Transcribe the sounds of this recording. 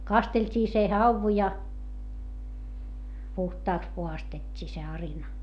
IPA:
kɑsteltʲiː se hɑuʋu jɑ puhtɑːks puhɑstetʲːiː se ɑrinɑ

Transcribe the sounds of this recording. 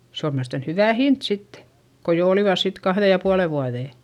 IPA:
se om miælestæn hyʋæˑ hint sitːe̥ ko jo oliʋɑˑs sit kɑhðe jɑ puɑle ʋuɑðeˑ

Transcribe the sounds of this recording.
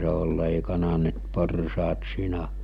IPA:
se ol leˑikɑnɑ ny̆t porsɑːt siːnæ

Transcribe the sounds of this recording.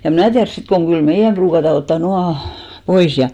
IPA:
jɑ em mnæˑ tiærs sit koŋ ɡ̊yl meijæm ruːkɑtɑ otːɑˑ nuɑh̆ pois jɑ

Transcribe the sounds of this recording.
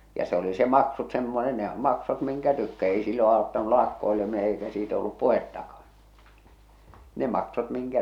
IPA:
jɑ se oli se mɑksut semːose nehæm mɑksot miŋkæ tykːæ eˑi silːo ɑˑotːɑnu lɑkːoelemine eikæ siːtæ̆ olːup puhetːɑkɑ̥ːn̥ ne mɑksot miŋkæ

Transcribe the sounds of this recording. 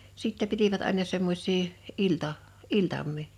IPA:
siˑtːe pitiʋæt ɑˑenɑ semːossʲˑiː iltɑ iltɑmˑiː

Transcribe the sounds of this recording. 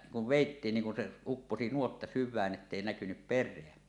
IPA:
kuʋ ʋeˑitːiːn niːŋ kun se upːosi nuotːɑ syʋːæːn etːeˑi nækynyp perˑeæ

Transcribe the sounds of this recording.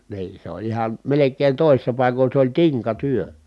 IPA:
niː se olʲ ihɑn melekˑeːn toˑi̯sisːɑ pɑˑikonʲ se olʲ tiŋkɑtyø

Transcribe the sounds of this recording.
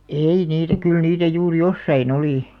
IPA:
eˑi niːtæ kyl niːtæ juːr josːɑin oliˑ

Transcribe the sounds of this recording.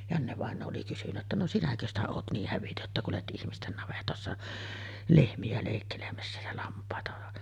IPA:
jɑnːeʋɑˑenˑoː oli kysynˑæ tːæ no sinækø stæ oːt niːh hæʋitøʔ ʔetːæ kulet ʔihmisten nɑʋetoˑesːɑ lehmiæ leˑikːelemæsːæ jæ lɑmpˑɑˑetɑ

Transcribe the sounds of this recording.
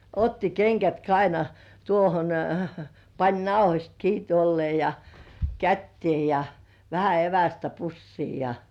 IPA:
otːi keŋkæt kɑinɑ tuohon pɑnʲ nɑuhosʲt kiː tuolːĭeˑ jɑ kætːieˑ jɑ ʋæhæ eʋæstæ pusːiː jɑ

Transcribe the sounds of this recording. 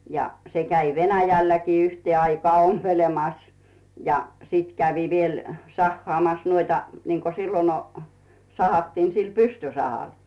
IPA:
jɑ se kæi ʋenæjælːækiː yhteː ɑikɑː ompelemɑs jɑ sit kæʋi ʋiel sɑhːɑːmɑs nuoitɑ niŋko silːon o sɑhɑtːiːn sil pystysɑhɑl

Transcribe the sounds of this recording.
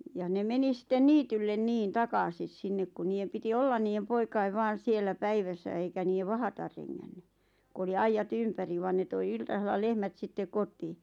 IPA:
jɑ nem meni sĭtːen niːtylːen niːn tɑkɑsis sinːek ku niːjem piti olːɑn niːjem poikɑiʋ ʋɑːn̞ sielːæ pæiʋæsæ eikæ niːjeʋ ʋɑhɑtɑr reŋːænːy ku oli ɑijɑt ympæri ʋɑn ne toi iltɑselːɑ lehmæt sitːek kotˑiː

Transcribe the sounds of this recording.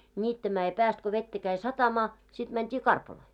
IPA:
nʲiːtːæmæː ei pæːst ko ʋetːæ kæi sɑtɑmɑː sit mæntʲiː kɑrpɑloː

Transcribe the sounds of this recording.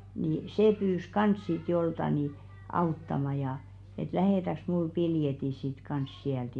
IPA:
ni seˑ pyːs kɑns sit joltɑ ni ɑutːɑmɑ jɑ et læheˑtæks mul piljeti sit kɑns siælt

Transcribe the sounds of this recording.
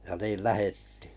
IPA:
jɑ niːl læhetːi̥ː

